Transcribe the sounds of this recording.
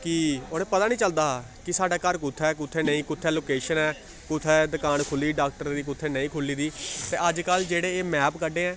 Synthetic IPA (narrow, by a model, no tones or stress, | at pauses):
kɪonẽːpət̪aːnĩːt͡ʃəld̪aː | kɪsaːɖaːkəɾkʊt̪ʰːɛːk̬ʊt̪ʰːeːnəĩːkʊt̪ʰːɛːloːkeːʃənɛː | kʊt̪ʰːɛːd̪əkaːnkʰʊliːɖaːk̚ʈəɾd̪iːk̬ʊt̪ʰːeːnəĩːkʰʊlːiːd̪iːt̪ḛːʔəd͡ʒkəld͡ʒeːɽeːeːmɛːpkəɖẽːɛ̃ː